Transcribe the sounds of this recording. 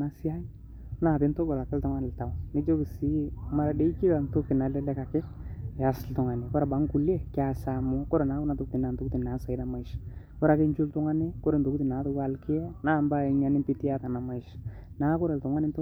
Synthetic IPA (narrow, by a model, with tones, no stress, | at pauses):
na˦si˦a˦n | na˨tɪ˦nto˦ɡɔ˨la˨kɪ˦ltʊ˦ŋa˦nɪ˨lta˨wnɪ˦d͡ʒo˦ɡsi˦ma˨ɾa˨de˦i˦ki˦ka˨nto˦kɪ˨na˨lɛ˦lɛ˦ka˨kɪ˦ja˨sltʊ˨ŋa˨nɪ˨kɔ˦ɾa˨ba˨˦ŋku˨le˦kɪ˦a˨sa˨mʊ˦kɔ˦ɾɛ˨na˨˦kʊ˦na˨tu˦k̚ti˨na˨nto˦kti˨na˨˦sa˨i˦da˨˦ma˦˨ʃ | kʊ˦ɾa˨ke˦nd͡ʒu˦ltʊ˦ŋa˦nɪ˦kʊ˦ɾɛ˨nto˨ku˦ti˨na˨˦to˦ɡa˦lkɪ˦ɛ˦naː˦˨mba˦i˨˦ɲa˦nɪ˦mpi˦ti˦a˦ta˨na˨ma˦˨ɪ˨ʃna˨˦kʊ˦ɾɛ˨ltʊ˨ŋa˦nɪ˦nt